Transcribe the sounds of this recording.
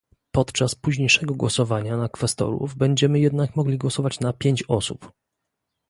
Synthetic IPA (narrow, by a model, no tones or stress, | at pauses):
pɔt̪t͡ʂaspuʑɲejʂɛɡɔɡwɔsɔvaɲanakfɛst̪ɔ̰ɾṵvbɛɲd͡ʑɛmɘjɛd̪nakmɔɡlʲiɡwɔsɔvat͡ɕnapʲjeɲt͡ɕɔsṵp